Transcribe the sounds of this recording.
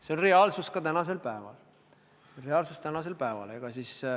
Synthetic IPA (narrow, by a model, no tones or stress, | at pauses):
se̞o̞nreɑlsuskɑt̪ænɑse̞lpæevɑ̰l | seonre̞ɑlsust̪ænɑs̬e̞lpæevɑ̰leɡ̥ɑsis